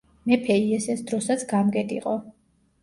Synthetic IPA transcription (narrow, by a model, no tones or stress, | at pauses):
mɛpʰɛiɛsɛsd̪ɾɔsat̪sʰɡamɡɛd̪ʼḭqʼɔ